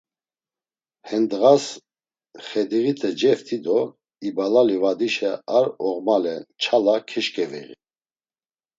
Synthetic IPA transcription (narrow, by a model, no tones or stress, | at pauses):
hɛnd̪ɣas | χɛd̪iɣit̪ʰʼɛd͡ʒɛft̪ʰid̪ɔ | ibalalivad̪iʃɛaɾɔʁmalɛt͡ʃʰalakʰɛʃkʼɛvɛ̰ʁḭ